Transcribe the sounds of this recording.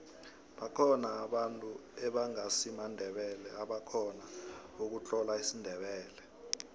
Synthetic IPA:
ɓakʰɔnaːɓantʼuɛɓaŋasimandʱɛɓɛlɛaɓakʰɔnaok̬ut͡ɬʼɔlaisindʱɛɓɛːlɛ

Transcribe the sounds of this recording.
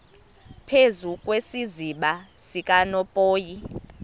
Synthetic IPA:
pʰezukʼwesiziɓa | sikʼanɔpʼoːji

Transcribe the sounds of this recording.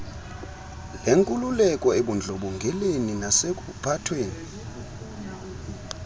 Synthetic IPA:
leŋkʼululɛkʼɔeɓund͡ɮʱɔɓɔŋɡʱɛleninasek̬ʼupʰatʰweːni

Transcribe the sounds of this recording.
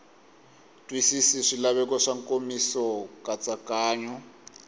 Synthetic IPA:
tʼwisisiʂilaβɛkɔʂaŋkomisɔkat͡sakaːɲɔ

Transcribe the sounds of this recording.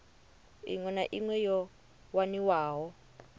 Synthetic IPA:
ḭŋwɛnaʔiŋwɛjɔ | waniwaːɦɔ

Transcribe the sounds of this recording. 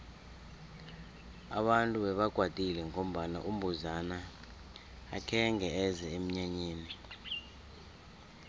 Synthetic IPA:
a̰ɓantʼuɓɛɓaɡ̥ʱwad̥ʱʼilɛŋom̩ɓana̰ʔum̩bʱuzanaː | kʰɛŋʱɛɛzɛem̩ɲaɲeːni

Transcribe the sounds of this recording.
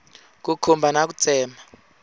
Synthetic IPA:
k̬ukʰumbʱanak̬ut͡sʰɛːmʱa

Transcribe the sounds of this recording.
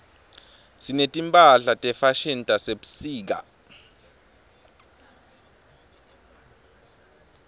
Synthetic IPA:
sinetʼimpʼaɬatʼɛfaʃintʼaseɓu̥siːk̬a

